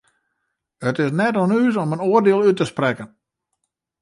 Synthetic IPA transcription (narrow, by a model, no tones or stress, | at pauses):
ətɪs̬nɛtonyːs̬ɔmənoərdɪəlˠytəsprɛkən